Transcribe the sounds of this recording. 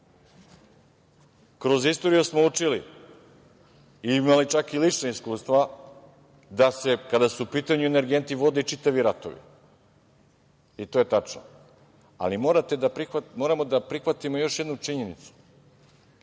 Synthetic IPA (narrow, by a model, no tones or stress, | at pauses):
kɾo̞zist̪o̞ɾijusmo̞ut͡ʂili | iimalit͡ʃakilit͡ʃnaiskuːst̪ʋa | d̪ase̞kad̪aseupiːt̪aɲuene̞ɾɡe̞nt̪iʋo̞d̪et͡ʃit̪aʋiɾat̪o̰ʋḭ | it̪o̞ːje̞t̪at͡ʂno̰ | a̰limo̞ːɾat̪e̞d̪apɾixʋamo̞ːɾamo̞d̪apɾixʋat̪imo̞jo̞ʃje̞d̪nut͡ʂiɲe̞nit̪su̥